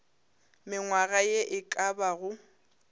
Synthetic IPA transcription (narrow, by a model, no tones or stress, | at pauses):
mɪŋwaɣajeʔɪkʼabaɣʊ